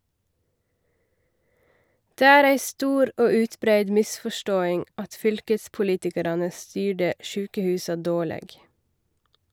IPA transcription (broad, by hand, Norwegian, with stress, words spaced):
ˈdeː ˈæːɾ ˈæɪ ˈstuːɾ ˈoː ˈʉːtˌbɾæɪd ˈmɪsfɔˌʃtoːɪŋ ˈɑt ˈfʏlkəspʊˌliːtɪkɑɾɑnə ˈstyːɖə ˈʃʉːkəˌhʉːsɑ ˈdoːˌɭeːɡ